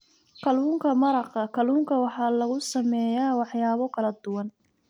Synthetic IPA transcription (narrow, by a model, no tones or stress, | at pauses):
kʰɐluːŋkʰɐmɐɾɑqɐkʰɐluːŋkʰɐwɑħɑːlɐɣʊsɐmɛːjaːwɑħjaːβɔkʰɐlɐd̪ʊwɑn